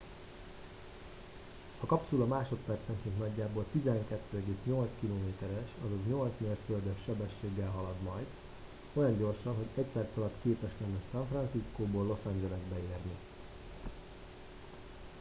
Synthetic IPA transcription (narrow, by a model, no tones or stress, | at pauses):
hɒkɒpsulɒmaːʃo̞t̪pɛrt̪sɛŋkent̪nɒɟːaːboːlt̪izɛŋkɛt̪ːøːɛɡeːsɲo̞lt̪skiloːmeːt̪ɛɾɛʃɒzɒzɲo̞lt̪smeːrt̪føld̪ɛʃːɛbɛʃːeːɡːɛlɦɒlɒd̪mɒjd̪ | o̞jɒɲɟo̞rʃɒnɦo̞ɟɛcpɛrt̪sɒlɒt̪keːpɛʃlɛnːɛsɒɱfrɒnsiskoːboːlːo̞sɛnd͡ʒɛlɛzbɛeːrni